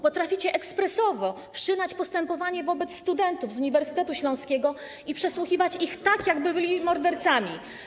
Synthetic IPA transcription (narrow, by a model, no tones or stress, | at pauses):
pɔt̪ɾafʲit͡ɕɛʔɛkspɾɛsɔvɔ | fʂɘnat͡ɕpɔst̪ɛmpɔvaɲɛvɔbɛt̪sst̪ud̪ɛnt̪uvzuɲivɛɾsɘ̥t̪ɛt̪uɕlɔ̃w̃skʲɛɡɔ | ipʂɛswuxʲivat͡ɕixt̪akjaɡbɘbɘlʲimɔɾd̪ɛɾt̪samʲi